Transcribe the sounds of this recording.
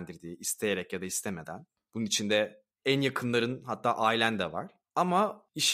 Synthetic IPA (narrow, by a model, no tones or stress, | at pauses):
nd̪iɾd̪iːist̪ʰejeɾɛcjad̪aist̪ʰemed̪æn | b̥ununit͡ʃʰind̪ɛ | ænjakʰɯnlˠaɾɯnɦat̪ʰːaːʔaːjilʲænd̪ɛva̰ɾ̥ | amaiʃ